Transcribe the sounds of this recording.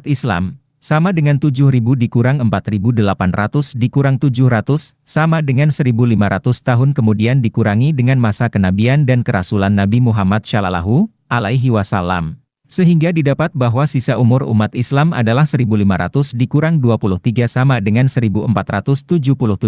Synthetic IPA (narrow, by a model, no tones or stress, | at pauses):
t̪isla̰m | samadəŋant̪ud͡ʒʊhɾibudikuɾaŋəmpat̪ribudəlapanrat̪ʊsdikuɾaŋt̪ud͡ʒʊhrat̪ʊsːamadəŋansəɾibulimaɾat̪ʊst̪aɦʊnkəmudiandikuɾaŋidəŋanmasakənabiandankəɾa̰sulanːabimuɦamat̪̚ʃalala̰ɦu | alaiɦiwasala̰m | səɦiŋɡadidapat̪̚baɦwasisaʔumʊrṵmat̪islama̰dalahsəɾibulimaɾa̰t̪ʊsdikuɾaŋduapulʊht̪iɡasamadəŋansəɾibuəmpat̪rat̪ʊst̪ud͡ʒʊhpulʊht̪u